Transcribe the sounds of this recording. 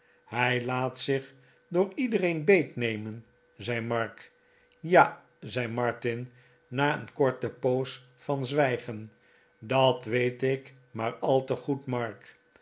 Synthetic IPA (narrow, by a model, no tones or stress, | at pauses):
hɛjlaːtsɪχ | dʊːɹidərejnbejtnejmən | zɛjmɑɹk | jaː | zɛjmɑɹtɪnː | aːənkɔɹtəpows | fɑnzʋɛjχən | dɑtʋejtɪk | maːɹɑlˠtəχutmɑɹk